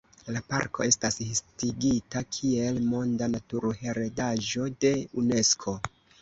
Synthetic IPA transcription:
lapa̰ɾko̞e̞stashistiɡitakʰie̞lmo̞ndanatuɾhe̞ɾedaʒo̞de̞une̞skʰo̞

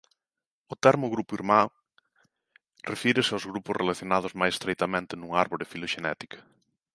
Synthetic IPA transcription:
ʊt̪ɛɾmʊɣɾupʊiɾma | refiɾɪsɪawzɣɾupʊsrelaθjonaðʊzmajse̥st̪ɾejt̪ɐmẽnt̪ɪnuŋɐaɾβoɾɪfiloʃenɛt̪ikɐ̥

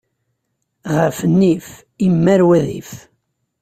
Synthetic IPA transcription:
ʁəfənːif | imːæɾwæðḭf

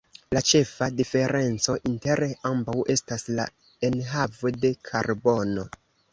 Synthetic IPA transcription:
lat͡ʃe̞fadife̞ɾe̞nt͡so̞ʔinte̞ɾeambawʔe̞stasla̰ | e̞nɦavo̞de̞kʰaɾbo̞no̞

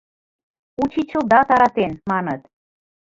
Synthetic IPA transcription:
ut͡ɕʰit͡ɕʰod̪at̪aɾat̪enmanət̪

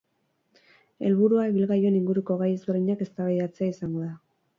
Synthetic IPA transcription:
e̞̰lβuɾuaβilɣajo̞niŋɡuɾuko̞ɣajezβeriɲake̞st̪aβajðat͡se̞aisaŋɡo̞ða

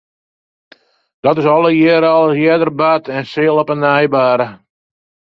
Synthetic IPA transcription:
d̥ɔtɪsɔlˠəjɪɾəɔlˠəsjɛdərbatʰɛnsɪəlˠəpənɛjbaːɾə

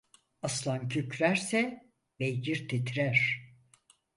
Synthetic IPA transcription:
aslˠancʰøcʰɾæɾsɛ | bejɟiɾt̪ʰet̪ʰiɾæɾ̥

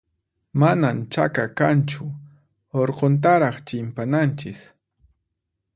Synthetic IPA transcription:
manamt͡ʃa̰kakant͡ʃʊ | oɾqont̪̬aɾɑχt͡ʃɪmpanant͡ʃɪs

